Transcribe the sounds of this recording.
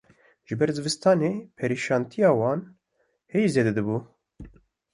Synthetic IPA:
ʒ̥ɨbɛɾzɨvɨst̪ʰɑːneːpʰɛɾiʃɑːnt̪ʰijɑːwɑːn | hɛjized̪ɛd̪ɛbuː

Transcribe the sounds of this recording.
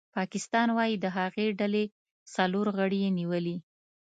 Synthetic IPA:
pɑkɪst̪ɑnwɑjid̪əɦaɣeɖale | saloɾɣəɽijeniwəli

